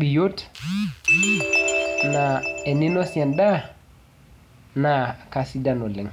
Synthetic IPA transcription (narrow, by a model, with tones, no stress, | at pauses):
bi˨jo˦t | na˨ɛ˨ni˦no˦sa˨nda˦ | na˨ka˨si˦da˦˨no˨lɛ˨ŋ